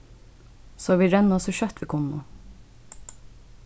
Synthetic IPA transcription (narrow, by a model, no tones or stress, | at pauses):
soːʋiːɾɛnɔsɔʃœt̪ʋiːkʰʊnʊ̰